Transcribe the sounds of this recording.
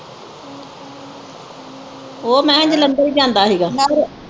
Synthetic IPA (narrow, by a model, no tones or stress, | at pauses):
oːmɛ̃ːəɲd͡ʒləmbaːiːd͡ʒãːnd̪aːɦiːɡaː